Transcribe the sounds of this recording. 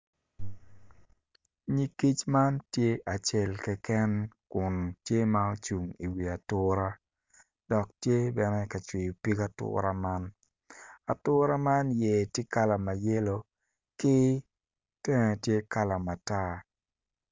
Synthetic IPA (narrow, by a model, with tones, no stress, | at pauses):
ɲi˨ki˦t͡ʃma˦ntje˦ʔa˨t͡ʃe˦˨lkɛ˦kɛ˦nkʊ˨n˨tje˦ma˦o˦t͡ʃu˨ŋi˨wi˨a˨tʊ˦ɾa˦ | d̥ɔ˨k̚tje˦bɛ˦nɛ˦ka˨t͡ʃwɪ˨jo˨pi˦ka˦tʊ̰˦ɾa˦ma˦n | a˨tʊ˦ɾa˦ma˦nje˨tje˦ka˦la˨ma˨je˦lo˦ | kɪ˦ | tɛ˦ŋɛ˨tje˦ka˦la˨ma˨ta˦